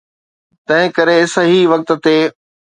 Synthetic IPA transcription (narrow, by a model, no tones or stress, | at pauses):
t̪ɐ̃ɦɪ̃kɐɾeɪsɦiʋɐk̚t̪̆t̪eː